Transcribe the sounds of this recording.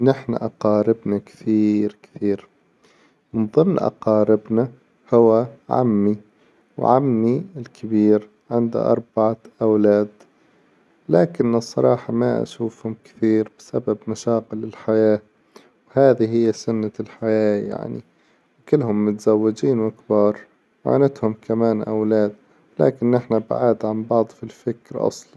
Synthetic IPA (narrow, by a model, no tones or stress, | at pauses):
nɪħna̰ʔɑqɑːɾɪbnakt̪iːɾkt̪iːɾ | mɪnðˤɨmnʔɑ̰qɑːɾɪbna | hʊwaʕa̰mːi | wʕamːiɪlkʰɪbiːɾ | ʕɪnd̪ṵʔɑ̰ɾˤbaʕaʔawlaːd̪ | laːkɪnɨsˤːɑɾˤɑːħɑmaʔa̰ʃuːfhʊmkɪ̥θiːɾbɪsababmaʃaːqɪlːɪlħajaː | whaːðiɦɪjːasʊnːalħajaːja̰ʕnḭ | wkɪlːhʊmːʊt̪zawːɪd͡ʒiːnwɪkbɑːɾˤ | wʕa̰nɪt̪hʊmkamaːnʔa̰wlaːd̪̚ | la̰ːkɪnʔɪħnabaʕaːd̪ʕambɑʕd̪ˤfilfɪkɾʔɑ̰sˤlɑn